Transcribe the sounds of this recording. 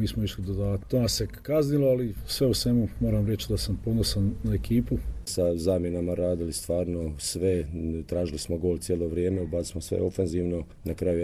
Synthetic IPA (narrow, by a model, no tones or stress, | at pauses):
miːsmoiʃlid̪od̪aːt̪t̪omase̞kazniloalisʋe̞usʋe̞mumo̞ːɾamɾe̞t͡ʃid̪asampo̞d̪nosannaekiːpusazaːmjenamaɾaːd̪ilist̪ʋaːɾnosʋet̪ɾaːʒilismoɡo̞ːlt̪sjeːlˠoʋɾjeːmebat̪ismosʋḛofenziːʋno | nakɾaju